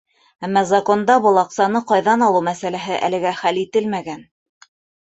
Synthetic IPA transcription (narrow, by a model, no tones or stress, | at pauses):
æmːɑzɐko̞nd̪ɑbɤ̆lˠɑqsɑnɤqɑjðɑnɑlˠɤwmæsælæɦɘʔæ̰lɘ̆ɡæχælit̪ɘlmæɡæn